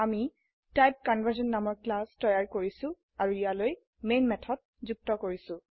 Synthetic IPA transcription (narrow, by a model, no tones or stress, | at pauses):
ami | tajp̚kɔnvʱəɹzɔnːamɔɹklastɔjaɹkoɹisʊ̃ | aɹuijaloj | menmɛtʰɔt̚zuk̚tɔkoɹisʊ̃